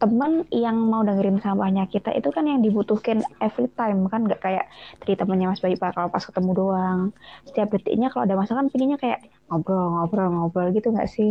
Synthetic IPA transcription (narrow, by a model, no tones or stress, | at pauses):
t̪əmənjaŋmaudaŋiɾɪnsambahɲakit̪a̰ʔḭt̪ukanjaŋdibut̪uhkɪnefɾit̪ajmkanŋɡaʔkaja̰ʔt̪əɾit̪əmənɲamasbaɡiʔpakalapaskə̥t̪əmudoaŋsə̥t̪iap̚dət̪ḭʔɲakaloʔadamasakanpiŋɡiɲakaja̰ʔ | ŋobɾɔlŋobɾɔŋobɾɔlɡit̪uŋɡa̰ʔsɪ